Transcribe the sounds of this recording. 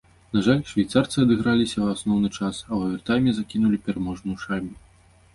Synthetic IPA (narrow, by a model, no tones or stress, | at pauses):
n̪aʐalʲʂvʲajt̪sart̪sɨɐd̪ɨɣɾalʲisʲɐwasnɔwnɨt͡ʂasɐwɐvʲɛrt̪ajmʲɛzakʲinulʲipʲɛɾamɔʐnujʂalʲmʲu